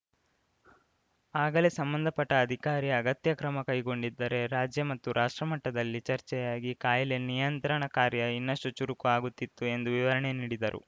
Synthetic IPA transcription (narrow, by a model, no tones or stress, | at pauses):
aːɡɐlesɐmbɐnd̪ʱɐpɐʈːɐːd̪ʱikaːɾiɐɐɡɐt̪jɐkɾɐmɐkɐjɡo̞ɳɖid̪ːɐɾe̞ɾaːd͡ʒjɐmɐt̪ːuɾʔaːʂʈɾɐmɐʈːɐd̪ɐlːit͡ʃɐɾt͡ʃɛjaːɡikaːjɐlenijɐnt̪ɾɐɳɐkaːɾjɐinːɐsut͡ʃuɾukuaːɡut̪ːit̪ːue̞nd̪uʋiʋɐɾɐɳe̞niːɽid̪ɐɾṵ